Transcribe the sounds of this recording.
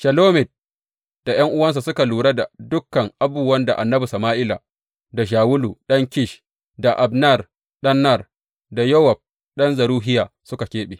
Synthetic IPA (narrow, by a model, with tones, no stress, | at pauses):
ʃɐ˨loː˦mɪ˨t̚ | d̥a˨j̰ɐ˦ŋʔʊ˦wɐ˦ns̬a˨sʊ˦ka˨luː˨ɽa˦da˨dʊ˦kːɐ˨ŋʔa˦buː˨wɐ˦nda̰˨ʔa˨nːɐ˦bu˨sɐ˨maː˦ʔɪ˦la˨ | da˨ʃ̬aː˨wʊ˦lu˨ɗɐ˦ŋkʲɪ˦ʃ | da˨ʔa˨bnɐ˦˨r | ɗɐ˦nːɐ˦˨r | da˨jo˦wa˨b̚ | ɗɐ˦nzɐ˨ɾuː˦ɦɪ˦jaː˨sʊ˦ka˨kʲeː˦ɓeː˨